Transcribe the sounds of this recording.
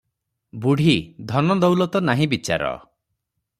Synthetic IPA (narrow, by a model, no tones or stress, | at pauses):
buɽ̤id̪ʱɔnɔd̪ɔwlɔt̪ɔnaɦĩbit͡ʃa̰ɾɔ̰